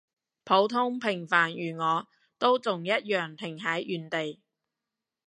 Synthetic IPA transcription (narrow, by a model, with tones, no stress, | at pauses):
pʰo˨˥wt̪ʰʊ˥ŋpʰɪ˨˩ŋfaː˨˩njyː˨˩ŋɔː˨˧ | t̪o˥wt͡sʊ˨ŋjɐ˥t̚jœː˨˩ŋt̪ʰɪ˨˩ŋɦɐ˨˥jʔyː˨nt̪e˨j